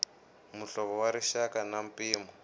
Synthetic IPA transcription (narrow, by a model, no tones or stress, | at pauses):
muɬɔβɔwaɾiʃakanam̩piːmɔ